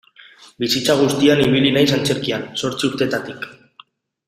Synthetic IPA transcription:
bisit͡saɣ̞ust̪ianiβ̞ilinajsant͡seɾkianso̞ɾt͡siuɾt̪e̞t̪at̪ik

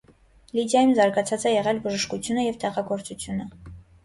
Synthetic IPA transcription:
lid̪jɑjumzɑɾɡɑt͡sʰɑt͡sɛjɛʁɛlbəʒəʃkut͡sʰjunəjɛvt̪ɛʁɑɡɔɾt͡sut͡sʰjunə

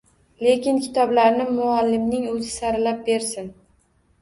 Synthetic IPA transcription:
le̞kʲɪnkʲʰɪt̪ʰɒblaɾnɪmʊalːɪmnɪŋɵzɪsaɾɪlap̚be̞ɾsɪn

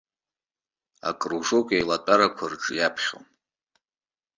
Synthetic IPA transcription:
a̰kʼruʐokʷʼejlatʷʼaɾakʷʰarʈ͡ʂʼjapʰχʲo̰

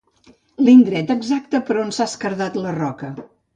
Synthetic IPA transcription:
lind̪ɾɛt̪əɡzak̚t̪əpəɾonsaskəɾðat̪lərɔkə

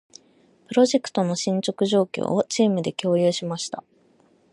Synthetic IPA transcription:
pɯ̟ɾo̞ʑe̞kɯ̥t̪o̞no̞ɕĩɲ̟t͡ɕo̞kɯ̟ʑo̞ːkʲo̰ːot͡ɕiːmɯ̟d̪e̞kʲo̞ːjɯːɕimaɕi̥t̪a

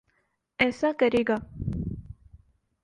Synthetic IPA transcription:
ɛːsakəɾeːɡaː

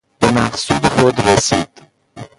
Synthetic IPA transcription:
b̥emæ̰χsuːd̪exod̪ɾesiːd̪̥

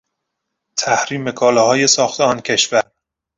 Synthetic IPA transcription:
t̪ʰæhɾiːme̞kʰɒːlɒːɦɒːje̞sɒːxt̪ʰeɒːncʰe̞ʃvæɾ

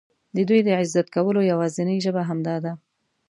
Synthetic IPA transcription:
d̪əd̪ujd̪əʕɪzːat̪kawəlojawɑzɪnəjʒəbaɦamd̪ɑd̪a

